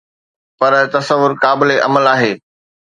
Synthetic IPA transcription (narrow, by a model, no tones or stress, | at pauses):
pɐɾt̪ɐsəʋːʊɾkaːbɪleʔɐ̰məlaːɦeː